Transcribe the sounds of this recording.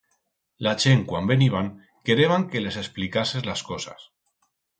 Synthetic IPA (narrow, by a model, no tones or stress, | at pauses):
lat͡ʃeŋkwambeniβ̞aŋ | keɾeβ̞aŋkelesesplikasezlaskosa̰s